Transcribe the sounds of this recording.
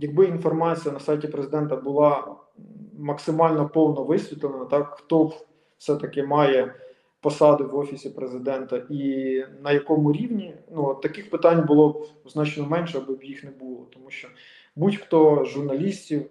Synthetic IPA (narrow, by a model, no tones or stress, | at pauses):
jɐɡ̚bɪinfɔrmɑt͡sʲijɐnɐsɑjtʲipɾezɪd̪ɛnt̪ɐbʊlˠɑ | mɐksɪmɑlʲnɔpɔwnɔʋɪsʲʋʲit̪lˠenɐt̪ɑkxt̪ɔ | fsɛt̪ɐkɪmɑjɛ | pɔsɑd̪ɪwɔfʲisʲipɾezɪd̪ɛnt̪ɐʔinɐjɐkɔmʊɾʲiwnʲinuɔt̪ːɐkɪxpɪt̪ɑnʲbʊlˠɔbznɑt͡ʃnɔmɛnʃɛɐbɪbjixnɛbulˠɔt̪ɔmuʃt͡ʃɔ | butʲxt̪ɔʒʊrnɐlʲisʲtʲiw